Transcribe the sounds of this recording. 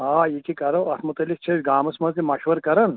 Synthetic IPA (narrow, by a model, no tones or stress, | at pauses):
aːikikɐɾɐwɐt̪ʰmʊt̪ɐlːikt͡ʃʰesɡaːmɐsmɐzimɐʃʋɐɾkɐɾɐn